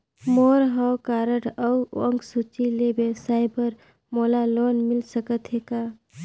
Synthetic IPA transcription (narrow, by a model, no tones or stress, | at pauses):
moɾɦawkaɾəʈʰəuəŋɡsut͡ʃilebesaɪbəɾ | molalonmilsəkət̪ɦeka